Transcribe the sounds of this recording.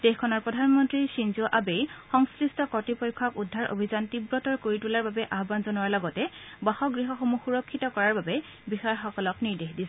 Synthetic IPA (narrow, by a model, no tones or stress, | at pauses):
d̥exkʰɔnɔɹpɹɔdʱanmɔntɹisinzuʔabejxɔŋskɹistɔkɔtipɔjkʰːɔkudʱːaɹʔo̰bʱizantibɹɔtɔɹkoɹitulaɹbabɛʔaɦbanzɔnuwaɹlɔɡɔtɛbaxɔɡɹiɦɔxomuxuɹɔkʰːitɔkɔɹaɹbabɛ | bixaɹxɔkɔlɔkniɹdeɦdis